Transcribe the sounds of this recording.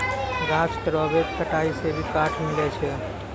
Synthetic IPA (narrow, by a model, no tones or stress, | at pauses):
ɡaskɾəbekkʰəʈaisebʱikaʈʰmilɛt͡ʃʰɛ